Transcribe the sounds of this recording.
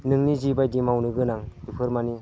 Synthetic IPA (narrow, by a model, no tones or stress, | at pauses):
nɯŋnizibajdimawnɯɡɯnaŋdipʰɯɾmani